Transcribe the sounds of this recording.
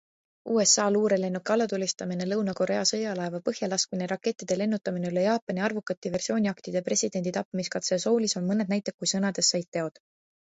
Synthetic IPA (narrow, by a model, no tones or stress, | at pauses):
uːe̞sːɑːluːɾe̞le̞nːukːɑlːɑt̪ulʲːist̪ɑmine̞lɤwnɑko̞ɾe̞ɑsɤjɑlɑevɑpɤhjɑlɑskmineɾʔɑkːe̞t̪ˑːid̪̥e̞le̞nːut̪ːˑɑmineylejɑːpːɑnʲiɑrvukːˑɑt̪ʲːive̞rsio̞ːnʲiɑkt̪id̪̥epre̞sʲid̪̥e̞nd̪it̪ɑpːimiskɑt̪seso̞ːliso̞nmɤne̞d̪næjt̪ːˑek̚ːujsɤnɑd̪̥e̞sːɑjt̪̚t̪ːe̞o̞d̪̥